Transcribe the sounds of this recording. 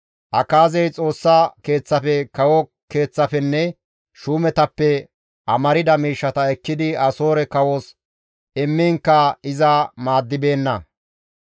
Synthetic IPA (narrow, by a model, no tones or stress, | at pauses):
ʔɐkaːzɛjt͡sʼo̞ːsːake̞ːt͡sːɐfɛkɐwɔ | ke̞ːt͡sːɐfɛnːɛ | ʃuːmɛt̪ɐpːɛ | ʔɐmɐɾɪd̪ɐmiːʃːɐt̪ɐɛkːɪd̪ɪɐso̞ːɾɛkɐwos | ɛmːiŋkːɐɪzɐmaːd̪ːɪbe̞ːnːɐ̰